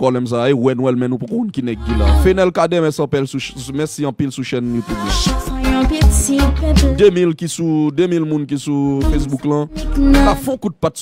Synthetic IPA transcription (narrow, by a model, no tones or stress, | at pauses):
pɔblɛms̬aewɛnwɛlmɛ̃nũpokõũnkinɛɡːila̰fenɛlkadɛmɛsɐ̃pɛlsumɛsiɐ̃pilsuʃɛnjut̪ublasããpitĩd̪ømilkisud̪ømilmũnkisufes̬buklãnkafɔ̃kũt̪̚pat̪s